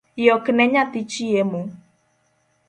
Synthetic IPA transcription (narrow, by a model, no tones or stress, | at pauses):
jɔkɪneɲatit͡ʃiemo